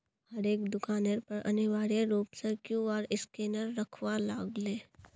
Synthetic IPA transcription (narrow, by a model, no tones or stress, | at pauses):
hɐɾeːkd̪ʊkaːneɾpɐɾɐ̰niʋaːɾeɾuːpsəɾkjũɔːɾɪskeːnəɾːɐkʰwalaːɡleː